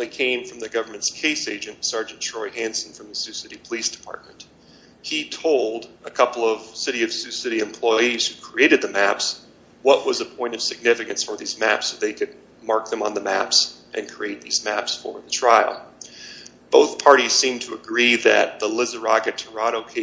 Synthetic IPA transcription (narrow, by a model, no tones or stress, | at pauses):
ikʰẽɪ̃ɱfɹʌ̃mðɨɡʌvə˞mɨ̃ntskʰeɪseɪd͡ʒɨ̃ntsɑɹd͡ʒɨ̃n̩tʰɹ̥ɔɪɦæ̃nsn̩fɹʌ̃mðɨsʉsɪɾipʰəlisd̥ɨ̥pʰɑ̰ɹt̚mɨ̃n̩t̚ | hitʰoʊlˠdəkʰʌpl̩ˠʌv̥sɪɾiʌv̥sʉsɪɾiɨ̃mpʰl̥ɔɪiz̥hʉkʰɹ̥ieɪɾɨd̪̚ðɨmæps | wʌʔ̚wʌzəpʰɔ̃ɪ̃ñtʌv̥sɨɡ̚nɪfɨkɨ̃nsfə˞ðizmæ̰psoʊðeɪkʰɨd̚ | mɑɹk̚ðɨ̃mə̰̃nðəmæ̰psʔɨ̰̃nkʰɹ̥ieɪt̪̚ðizmæpsfə̰˞ðɨtʰɹ̥aɪl̩ˠ | b̥oʊθpʰɑɹɾiz̥sĩmtʰəəɡɹiðɨ̰t̪̚ðəlɪzə˞ɑ̰ɡɨtʰə˞ɑɾoʊkʰeɪ